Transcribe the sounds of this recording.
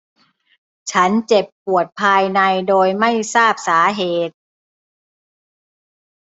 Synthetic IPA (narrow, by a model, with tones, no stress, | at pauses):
t͡ɕʰa˦˥nt͡ɕe˨˩pːu˨˩ət̪̚pʰaː˧jna˧jdoː˧jma˥˩jsaː˥˩p̚saː˩˦ɦeː˨˩t̪̚